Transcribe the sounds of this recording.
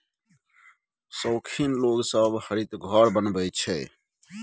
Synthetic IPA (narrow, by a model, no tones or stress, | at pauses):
səːkʰiːnloːɡsəbbhəɾit̪ɡʱɔːɾbənbəit͡ʃʰeː